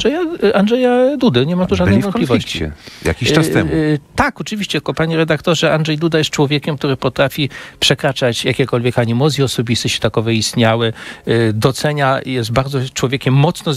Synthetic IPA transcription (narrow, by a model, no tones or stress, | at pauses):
ɛjaanʐɛjad̪ud̪ɛɲɛmat̪uʐad̪nvɔnp̪lʲifvɔit͡ɕiɛ̰ja̰kʲiastt̪ɛmt̪akɔt͡ʂɘvʲiɕt͡ɕɛkɔpaɲɛɾɛd̪akt̪ɔʐɛandʐɛjd̪ud̪ajɛst̪̚t͡ʂwɔvʲjekʲɛmkt̪uɾɘpɔt̪ɾafʲipʂɛkɾat͡ʂat͡ɕjakʲɛkɔlvʲjɛkaɲimɔzʲjiɔsɔbʲist̪ɛɕɛ̥t̪akɔvɛist̪ɲawɘd̪ɔt̪sɛɲajɛs̬t̪̚baɾd̪zɔt͡ʂwɔvʲjekʲɛmːɔt̪snɔ